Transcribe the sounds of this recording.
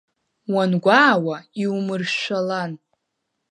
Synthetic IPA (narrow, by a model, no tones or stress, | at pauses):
wanɡʷaːwaiwumɨrʃʷalan